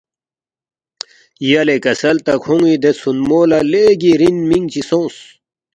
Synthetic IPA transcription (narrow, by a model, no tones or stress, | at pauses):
jɐlekɐsɐlt̪ɐkʰũŋid̪esunmoːlaleːɡiɾinmiŋɡt͡ɕisõːs